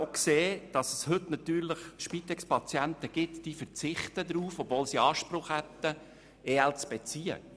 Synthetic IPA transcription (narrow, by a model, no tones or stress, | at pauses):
okseːd̥ɑsəshɵtnɑt̪yːɾləχʃpit̪ɛkspɑt͡sjænt̪əɡ̥ɪtd̥iːfəɾt͡sɪχt̪əd̪ɾuːfɔb̥voːlsiɑːʃpɾʊχhæt̪ːə | eːɛlt͡sb̥ɛt͡siːə̰